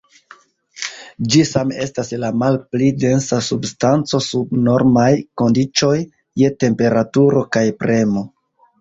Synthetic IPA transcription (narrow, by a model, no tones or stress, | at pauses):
d͡ʒisame̞staslamalplide̞nsasubstant͡so̞sub̚no̞ɾmajko̞ndit͡ʃo̞jː | e̞te̞mpe̞ɾatuɾo̞kajpɾe̞mo̞